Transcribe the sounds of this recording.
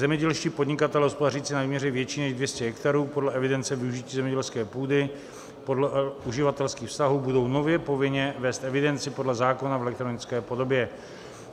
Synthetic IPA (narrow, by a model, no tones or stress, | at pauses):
zɛmɲɛɟɛlʃciːpodɲɪkat̪ɛlɛɦospodaɾiːt͡sɪnavimɲɛɾɛvjɛt͡ʃiːnɛʒdvjɛscɛɦɛkt̪aɾuːpo̞dlɛɛvɪdɛnt͡sɛvɪuʒiciːzɛmɲɛɟɛlskɛːpuːdɪ | po̞dlɛʔuʒɪvat̪ɛlskiːxfst̪aɦuːbudo̞wno̞vjɛpo̞vɪɲɛvɛːst̪ʔɛvɪdɛnt͡sɪpo̞dlɛzaːko̞navɛlɛk̚t̪ɾonɪt͡skɛːpo̞do̞bjɛ